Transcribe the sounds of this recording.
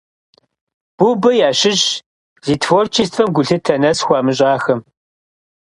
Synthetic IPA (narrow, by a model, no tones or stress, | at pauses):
b̥ubɐjaːɕɪɕ | ziːtʰfort͡ʃʰistʰfɐmɡʷʊɬɨtʰɐnɐsxʷɑːmɨɕʼaːxɐm